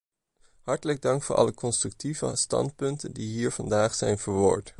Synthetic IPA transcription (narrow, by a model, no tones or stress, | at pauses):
hɑɹtələɡ̚dɑŋkfʊːʔɑ̰ləkɔnstrɵk̚tivə̰stɑ̰nt̚pɵntəndiɦiːɹv̥ɑndaːχsɛjnvəːɹʋʊ̰ːɹt